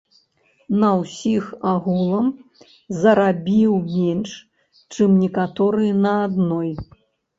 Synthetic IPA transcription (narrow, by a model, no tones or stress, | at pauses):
nɐwsʲixaɣulˠɐm | zɐɾabʲiwmʲɛnʂ | t͡ʂɨmnʲɛkat̪ɔɾɨjnɐad̪nɔj